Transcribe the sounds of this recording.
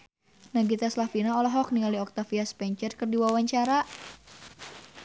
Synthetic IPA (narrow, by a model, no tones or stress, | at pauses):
naɡit̪aslafinaɔlɔɦɔk̚niŋaliɔk̚t̪afiaspɛɲt͡ʃərkɨrdiwawaɲt͡ʃaɾa